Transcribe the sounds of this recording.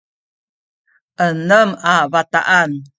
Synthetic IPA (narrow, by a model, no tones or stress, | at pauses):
ʔənəmavat̪a̰ʔan